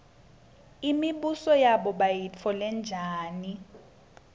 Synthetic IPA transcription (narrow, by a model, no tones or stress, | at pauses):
imiɓusɔjaɓɔɓajit͡fʰɔlɛnd͡ʒʱaːni